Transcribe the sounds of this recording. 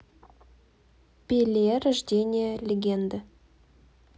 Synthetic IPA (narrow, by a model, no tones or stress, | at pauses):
pʲelʲeɾaʒd̪ʲenʲijəlʲeɡʲe̞nd̪ə